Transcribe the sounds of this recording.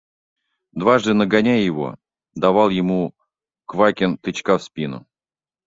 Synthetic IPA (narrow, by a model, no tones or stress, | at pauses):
d̪vaʐd̪ɨnəɡanʲæjjɪvo̰ | d̪avalˠjɪmu | kvakʲɪnt̪ɨt͡ɕkafspʲinʊ̰